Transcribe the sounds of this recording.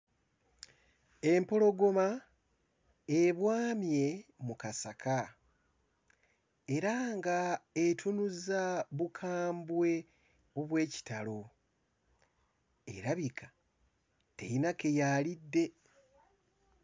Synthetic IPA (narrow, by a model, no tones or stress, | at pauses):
e̞mpo̞lo̞ɡo̞ma | eβwaːmje̞mukasakʰa | e̞ɾaŋɡaetʰunuzaβukʰaːmbwe̞ | o̞βwe̞ːci̥talo̞ | ḛɾaβikʰḁ | tḛjinake̞jalidːe̞